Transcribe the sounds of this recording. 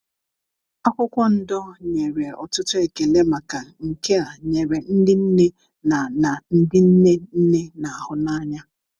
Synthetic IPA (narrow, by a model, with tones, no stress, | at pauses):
a˦kʷʊ˦kʷɔ˦n̩˦dɔ˦ɲe˨ɾe˨ɔ̰˨tʊ˦tʊ˦e˨ke˨le˦ma˨ka˨ŋ̩˨ke˦a˨ɲe˨ɾe˨n̩˦dɪ˦n̩˦ne˦ | na˨na˨n̩˦dɪ˦n̩˦ne˦n̩˦ne˦na˨a˨hʊ˦na˦ɲa˦